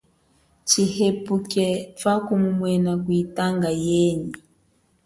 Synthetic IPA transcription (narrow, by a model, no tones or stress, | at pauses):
t͡ʃihepukɛfakumumwɛnak̬witaŋɡajɛni